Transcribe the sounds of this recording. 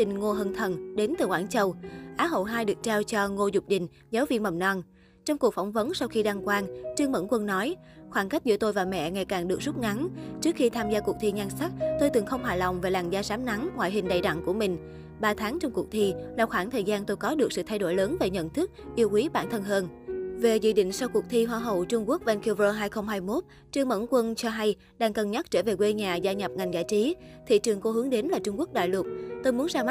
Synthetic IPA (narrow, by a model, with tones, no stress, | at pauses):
t̪ï˨˩ŋ̟ŋo˧ɦə˧nt̪ʰə˨˩nɗe˨˦nt̪ɨ˨˩xwaː˧˩nt͡ɕə˧˩wʔaː˨˦ɦə̰˧˨wɦaː˧jɗɨ˨˩k̚t͡ɕaː˧wt͡ɕɔ˧ŋo˧zʊ˨˩k͡p̚ɗï˧˨ŋ̟ | zaː˨˦wvḭ˧˨nmə˨˩m̚nɔ˧˩n | t͡ɕɔ˧wŋ͡mku˨˩ək̚fŋ͡mvə˨˦nsa˧wxi˧ɗa˧ŋkwaː˧nt͡ɕɨ˧əŋmə̰˧˩nkwə˧nnɔ˨˦jxwaː˧˩nka˦˥k̟̚zɨ̰˧˥ət̪o˧jvaː˨˩wmɛ̰˧˨ŋa˨˩jkaː˨˩ŋɗɨ˨˩ək̚zu˦˥t̚ŋa˨˦nt͡ɕɨ˦˥ək̚xi˧t̪ʰaː˧mzaː˧ku˨˩ək̚t̪ʰi˧ŋa˧nsa˦˥k̚t̪o˧jt̪ɨ˨˩ŋxə˧wŋ͡mɦaː˨˩la˨˩wŋ͡mvaː˨˩laː˨˩ŋzaː˧saː˨˦mna˨˦ŋŋwa̰ː˧˨jɦï˨˩ŋ̟ɗə̰˧˩jɗa̰˧˨ŋku˧˩əmï˨˩ŋ̟ | ɓaː˧t̪ʰaː˨˦ŋt͡ɕɔ˧wŋ͡mku˨˩k̚t̪ʰi˧laː˨˩wxwaː˧˩ŋt̪ʰəː˨˩jzaː˧nt̪o˧jkɔ˨˦ɗɨ˨˩ək̚sɨ̰˧˨t̪ʰa˧jɗo˧˩jləː˨˦nve˨˩ɲə̰˧˨nt̪ʰɨ˦˥k̚ʔi˧əwʔwi˨˦ɓa̰ː˧˩nt̪ʰə˧nɦəː˧nve˨˩zḭ˧˨ɗḭ̈˧˨ŋ̟sa˧wku˨˩ək̚t̪ʰi˧ɦwaː˧˩ɦə˨˩wt͡ɕʊ˧ŋ͡mku˦˥ək̚vɛ˧nki˧vo˧ɦaː˧jxə˧wŋ͡mɦaː˧jmo˦˥t̚ | t͡ɕɨ˧əŋmə̰˧˥˩nkwə˧nt͡ɕɔ˧ɦa˧j | ɗaː˧˩ŋkə˨˩nɲa˦˥t̚t͡ɕəː˧˩ve˨˩kwe˧ɲaː˨˩zaː˧ɲə˨˩p̚ŋa˨˩ŋzaː˧˨jt͡ɕi˨˦t̪ʰḭ˧˨t͡ɕɨ˨˩əŋko˧hɨ˨˦əŋɗe˨˦nlaː˨˩t͡ɕʊ˧ŋ͡mku˦˥ək̚ɗa̰ː˧˨jlwə˨˩t̚t̪o˧jmu˨˦ənzaː˧m˦˥